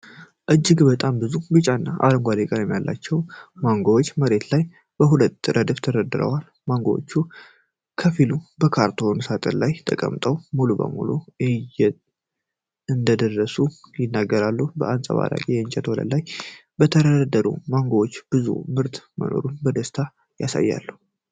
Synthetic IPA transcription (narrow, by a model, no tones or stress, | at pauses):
ʔɨd͡ʒːɪɡbət̪ʼambɨzubɨt͡ʃʼanːaʔa̰ləŋɡʷad̪ekʼəɾəmːijalːa̰t͡ʃːɛwmaŋɡowot͡ʃːməɾe̞t̪laj | b̥əɦulət̪ːɨɾəd̪əft̪ʰəɾəd̪ɨɾə̰wal | maŋɡowo̰t͡ʃːu | kʰəfilubəkʰaɾt̪ʰonsat̪ʼəɾlajt̪ʰəkʼə̰mt̪ʼəwmulubə̰mṵluɨjɛ | ɨnd̪əd̪ərːəsujɪnːaɡːəɾalːuhubə̰ʔansʼə̰βa̰la̰kʼijɛɨnt͡ʃʼɛt̪wɔlə̰lajbət̪ʰəɾədd̪əɾṵmaŋɡowot͡ʃːb̥ɨzṵmɨɾt̪mə̰no̞̰ɾunbəd̪əst̪ʰa | jasa̰jːa̰lːuh